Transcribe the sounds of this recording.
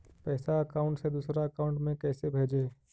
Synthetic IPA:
pɛːsaɐkaːʊ̃ɳʈsed̪uːsɾaɐkaːʊ̃ɳʈmẽkɛːsebʱeːd͡ʒeː

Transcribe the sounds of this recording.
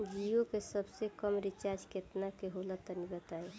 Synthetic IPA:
d͡ʒijokesəbsekəmɾɪt͡ʃaːɾd͡ʒket̪nakeɦolət̪əniɡət̪aːe

